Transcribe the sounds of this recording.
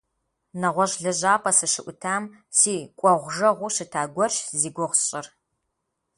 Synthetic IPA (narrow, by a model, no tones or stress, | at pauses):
nɐʁʷɔʑɮɐʑaːpʰɐsɨʃɨʔʷʊtʰaːm | siːkʷʼɔʁʷʒɐʁʷʊɕɨtʰaːɡʷɔɕziːɡʷʊʁʷɕʼɪr